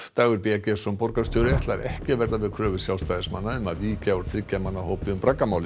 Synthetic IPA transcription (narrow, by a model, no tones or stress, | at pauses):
t̪aːɣʏɾpiacɛsɔmpɔɾkast̪joːwɾɪɛt̪laɾʔɛ̰hcɪvɛɾðavɪðkʰɾœːvʏsjawlst̪aːjðɪsmanːaʏmaðviːcaɔɾ̥θɾɪcːamanːahoːwpɪʏmpɾakːamaːwlɪ